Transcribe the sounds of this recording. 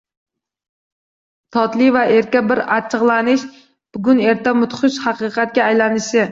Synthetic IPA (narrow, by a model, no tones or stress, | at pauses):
t̪ʰɑt̪lˠɨvɛʔeɾkʲɛbɪɾɑt͡ʃʰəʁlˠɑnɪʃ | b̥ʊɡʲyneɾt̪ʰɛmʊt̪χʊʃhɑqɨqʰæt̪̚kʲɛːjlɛnɪʃɪ